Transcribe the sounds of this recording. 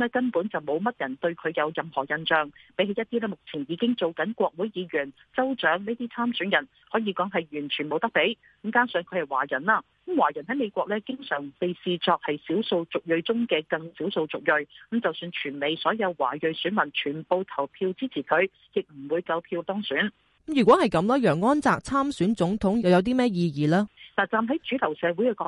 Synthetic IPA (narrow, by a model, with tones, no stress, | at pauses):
lɛː˥kɐ˥npuː˨˥nt͡sɐ˨wmo˨˧wmɐ˥t̚jɐ˨˩nt̪ɵ˧ɥkʰɵ˨˧ɥjɐ˨˧wjɐ˨mhɔ̰ː˨˩jɐ˧nt͡ʃœː˨ŋpe˨˥jhɦe˨˧jɐ˥t̪̚ːiː˥lɛː˥˩mʊ˨k̚t͡sʰiː˨˩njiː˨˧kɪ˥ŋt͡so˨wkɐ˨˥nkʷwʷɔː˧k̚wu˨˥jjiː˨˧ɥyː˨˩n | t͡sɐ˥wt͡ʃœː˨˥ŋne˥t̪iː˥t͡sʰaː˥msyː˨˥njɐ˨˩n | hɔː˨˥jiː˨˧kɔː˨˥ŋɦɐ˨jɥyː˨˩nt͡ʃʰyː˨˩nmo˨˧wt̪ɐ˥k̚pe˨˥j | mkaː˥ŋsœː˨˧ŋkʰɵ˨˧ɥhɐ˨jwa̰ː˨˩jɐ˨˩nlaː˧ | kmwaː˨˩jɐ˨˩nɦɐ˨˥jme˨˧jkʷɔː˧k̚lɛː˥kɪ˥ŋsœː˨˩ŋpe˨jsiː˧t͡sɔː˧k̚hɐ˨jsiː˨˥wso˧wt͡sʊ˨k̚jɵ˧ɥt͡sʊ˥ŋkɛː˧kɐ˧ŋsiː˨˥wso˧wt͡sʊ˨k̚jɵ˧ɥ̩˨˦˥t͡sɐ˨wsyː˧nt͡ʃʰyː˨˩nme˨jsɔː˨˥jɐ˨˧wwa̰ː˨˩jɵ˨˧ɥsyː˨˥nmɐ˨˩nt͡ʃʰyː˨˩npo˨˧wt̪ʰɐ˨˩wpʰiː˧wt͡siː˥t͡sʰiː˨˩kʰɵ˨˧ɥ | jɪ˨k̚m̩˨˩wuː˨˧jkɐ˧wpʰiː˧wt̪ɔː˥ŋsyː˨˥n̩˥ | jyː˨˩kwɔː˨˥hɐ˨jkɐ˨˥mlɔː˥jœː˨˩ŋːɔː˥nt͡saː˨k̚t͡sʰaː˥msyː˨˥nt͡sʊ˨˥ŋt̪ʰʊ˨˥ŋjɐ˨˧wjɐ˨˧wt̪̬iː˥mɛː˥jiː˧jiː˨˩laː˥naː˨˩t͡saː˨mɦɐ˨˥jt͡ʃyː˨˥t̪ʰɐ˨˩wsɛː˨˧wuː˨˥jkɛː˧kɔː˨˧˥